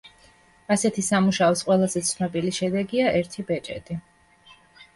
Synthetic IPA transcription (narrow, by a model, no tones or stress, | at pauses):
asɛt̪ʰisamuʃaɔsqʼwɛlˠazɛt̪sʰnɛbʼiliʃɛd̪ɛɡiaʔɛɾt̪ʰibɛt͡ʃʼɛt̪ʼi